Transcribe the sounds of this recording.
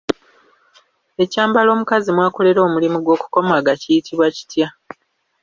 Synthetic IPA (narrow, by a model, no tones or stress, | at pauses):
e̞caːmbalo̞ːmukazimwaːko̞le̞ɾo̞ːmulimuɡwo̞ːku̥ko̞maːɡacijitʰiβwaci̥tja